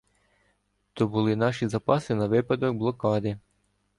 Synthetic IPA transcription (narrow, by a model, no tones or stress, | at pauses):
t̪ɔbʊlˠɪnɑʃizɐpɑsɪnɐʋɪpɐd̪ɔɡ̚blˠɔkɑd̪ɪ